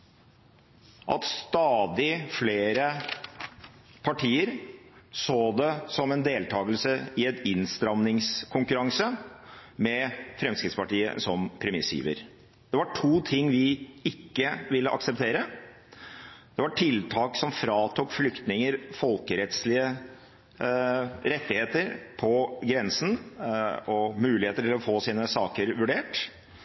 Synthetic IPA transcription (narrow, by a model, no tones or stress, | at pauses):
ʔɑ̰t̪st̪ɑːd̪ɪfleːɾə | pʰɑʈʰiːəɾsoːd̪ɛsɔmɛnd̪eːlt̪ʰɑːɡəlsəɪɛt̪ɪnst̪ɾɑmnɪŋskʰʊŋkʉɾɑŋsə | mɛfɾɛmskɾɪt̪spɑʈiːə̰sɔmpʰɾɛmɪsḭːʋə̰ɾ | d̪̥ɛʋɑʈʰuːt̪ʰɪŋːʋɪɪkːəʋɪlːəʔɑ̰ksəp̚t̪ʰeːɾə | d̪̥ɛʋɑʈʰɪlt̪ʰɑːksɔmfɾɑːt̪ʰuːkflʏkt̪nɪŋəɾfɔlkəɾɛt̪slɪə | ɾɛt̪ːɪheːt̪əɾpʰɔɡɾɛnsn̩ | ɔmʉːlɪheːt̪əʈɪlɔfoːsiːnəsɑːkəɾʋʉɖeːʈ